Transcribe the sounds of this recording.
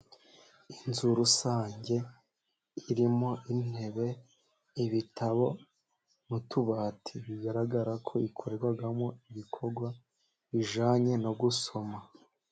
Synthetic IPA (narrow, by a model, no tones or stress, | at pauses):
inzuɾusaːɲɟe̞ | iɾimo̞ʔin̥e̞βe̞ | iβitaβo̞ | mutuβaːtʰiβiɡaɾaɡaɾakʰo̞ikʰoɾeɡwaɡamoiβikʰo̞ɾɡwa | βiʒaːɲe̞no̞ɡuso̞ma